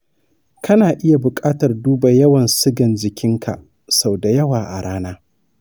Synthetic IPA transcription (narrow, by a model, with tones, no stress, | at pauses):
kɐ˦naː˨ʔɪ˦ja˨bʊ˨kʼaː˦tɐ˨rduː˦ba˨jɐ˦wɐ˨nsɪ˦ɡɐ˨nd͡ʒɪ˨kʲɪ˦ŋkʰa̰˨ | sa˨wda˨jɐ˦waː˨ʔa˨ɽaː˦naː˦